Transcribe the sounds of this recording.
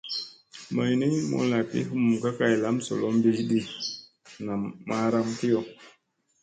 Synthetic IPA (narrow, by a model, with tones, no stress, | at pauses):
ma˨jni˦mo̰˨˦la˨pḭ˦ɦu˦mu˨ka˦ka˦˨jla˦mso̰˨lo˦m˦bi˦ɗi˦ | na˨mːa˦ɾa˦mki˦jo˨